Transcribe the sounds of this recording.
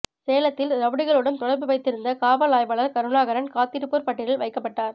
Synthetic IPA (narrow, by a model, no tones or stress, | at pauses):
seːlɐt̪ːɪlɾɐʋɯɽɯɣɐɭɯɽɐnt̪ɔɽɐɾbɯʋɐɪt̪ːɪɾɯnd̪ɐkaːʋɐlaːjʋɐɭɐɾkɐɾɯɳaːɣɐɾɐnkaːt̪ːɪɾɯpːuːɾpɐʈːɪɽɪlʋɐɪkːɐpːɐʈːaːɾ